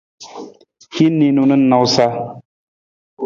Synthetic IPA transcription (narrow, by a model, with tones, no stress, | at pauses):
hi˦ni˨nu˨nɨ˦nɔ˨wsa˦